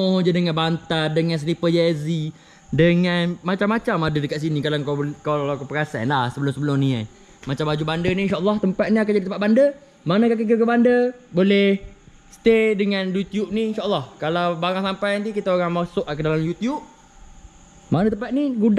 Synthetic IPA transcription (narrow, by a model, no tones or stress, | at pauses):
od͡ʒadəŋãnbant̪ardəŋans̬əlipəjazi | dəŋanmat͡ʃamːat͡ʃamadədəkat̪̚sinikalaŋkawkalakupəɾasa̰nlahsəbəlʊmsəbəlʊmnia̰n | mat͡ʃambad͡ʒubandəniinʃaʔəlːɔht̪əmpat̪̚niakad͡ʒadit̪əmpat̪̚bandə | manakakəkəkəbandəboleh | st̪edəŋãnjut̪jub̚ninʃaʔəlːɔhkalawbaɾaŋsampajant̪̬ikit̪aoɾaŋmasʊʔkədalamjut̪jub̚ | manət̪əmpat̪̚niɡud